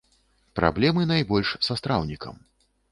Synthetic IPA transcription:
pɾa̰blʲɛmɨnajbɔlʲʂsast̪ɾawnʲikɐ̰m

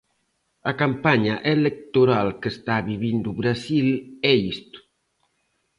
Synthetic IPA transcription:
akampaɲaʔelek̚t̪uɾalkəst̪aβiβind̪uβɾasilɛist̪u̥

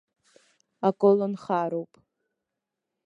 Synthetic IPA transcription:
akʼolonχaːɾowpʼ

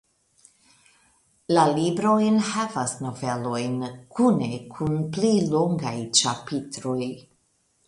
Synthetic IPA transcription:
lalibɾojnhavasno̞ve̞lo̞jnkʰune̞kʰunplilo̞ŋɡajt͡ʃapitɾo̞j

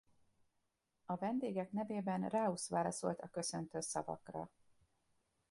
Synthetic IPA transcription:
ɒvɛnd̪eːɡɛknɛveːbɛnraːusʋaːlɒso̞̰lt̪ɒkø̞sø̞nt̪øːsɒvɒ̰krɒ̰

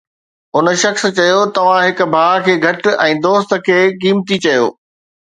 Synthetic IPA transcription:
ʊnʃɐxs̆t͡ɕɐjot̪ɐʋ̤ãɦɪkʊ̆bʱaːkʰeːɡʱɐʈɛ̃ːd̪oːst̪ə̆kʰeːkiːmt̪it͡ɕɐjo̰ː

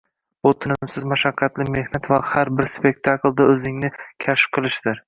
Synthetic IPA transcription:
bʊt̪ʰɪnɪmsɪzmaʃaqʰːɑt̪lɪme̞hnat̪vahaɾbɪɾspe̞k̚ʲt̪ʰakld̪aɵzɪŋnɪkʲʰaʃp̚qʰɨlˠɪʃd̪ɪɾ

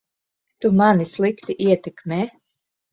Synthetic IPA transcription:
t̪umanislˠikt̪iʔiɛt̪ɛkmʲeː

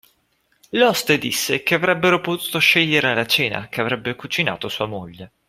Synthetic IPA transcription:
lɔst̪ed̪isːekeavɾɛbːeɾopot̪uːt̪oʃɛʎːeɾealat͡ʃeːna̰k̟eavɾɛbːekut͡ʃina̰ːt̪osuːamoʎːe

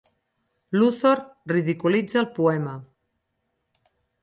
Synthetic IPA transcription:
luθoɾriðikulid͡zalpuɛma

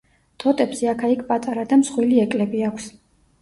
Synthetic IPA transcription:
t̪ʰɔt̪ʼɛbsɛakʰaikʰpʼat̪ʼaɾad̪amsχwiliɛkʼlɛbiakʷʰs

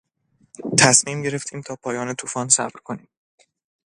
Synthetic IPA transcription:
t̪ʰæsmiːmɟe̞ɾe̞ft̪ʰiːmt̪ʰɒːpʰɒːjɒːne̞t̪ʰuːfɒːnsæ̰bɾkʰo̞niːm

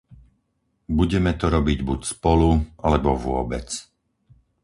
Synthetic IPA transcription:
buɟɛmɛt̪ɔɾɔbiɟbucspɔluʔalɛbɔʋʊɔbɛt͡s

